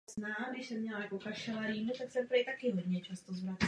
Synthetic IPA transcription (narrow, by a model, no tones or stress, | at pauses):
znaːɡdɪʃsɛmːɲɛlakoxat̪ʃɛlaɾiːmɪt̪aksɛɾpɾjt̪akɪɦod̪ɲɛt͡ʃast̪ozvɾat